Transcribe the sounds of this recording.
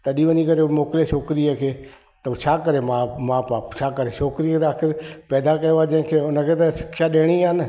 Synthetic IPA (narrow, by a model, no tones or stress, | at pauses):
t̪ɐɗiʋəɲikɐɾemoːkɪleʃʰoːkɾiəkʰeː | t̪ɐt͡ʃʰaːkɐɾemaːmãːpaːpt͡ʃʰaːkəɾeʃʰoːkɾieaːxʰɪɾpɛːd̪akɐjoad͡ʒɐ̃ɦɪ̃kʰeːʊnəkʰeːt̪ɐʃɪ̥kʃaɗeːɽ̃iaːnɪ̆